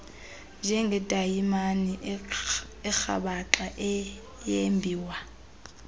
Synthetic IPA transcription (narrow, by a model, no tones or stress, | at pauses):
d͡ʒɛŋɡʱɛtʼaimani | ɪk͡xʰa̰baǁʼaʔɪ | jembʱiːwa